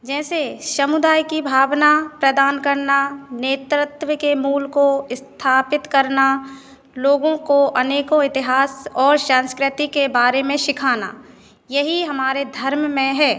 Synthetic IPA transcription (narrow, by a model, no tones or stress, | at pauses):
d͡ʒɛːsesɐmʊd̪aːjkibʱaːʋnapɾɐd̪aːnkɐɾnaneːt̪ɾɪt̪wəkemuːlkoɪst̪ʰaːpɪt̪kɐɾna | loːɡõkoʔɐneːkõɪt̪ɪɦaːsɔːɾsãːnskɾɪt̪ikebaːɾemẽʃɪkʰaːna̰ː | jɐɦiɦɐmaːɾed̪ʱɐɾmmẽɦɛː